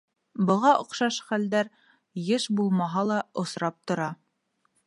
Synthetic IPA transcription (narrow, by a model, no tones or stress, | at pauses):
bɤ̆ʁɑʔŏqʃɑʃχæld̪æɾ | jɤʃbulˠmɑɦɑlˠɑŏsɾɑp̚t̪ŏɾɑ